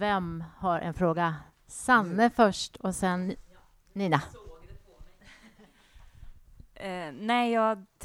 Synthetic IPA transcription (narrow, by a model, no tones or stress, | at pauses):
vɛmhaɾʔɛ̰nfɾoːɡa | sanːəfœʂʈɔsɛnː | iːna | nɛːjɑːt̪ʰ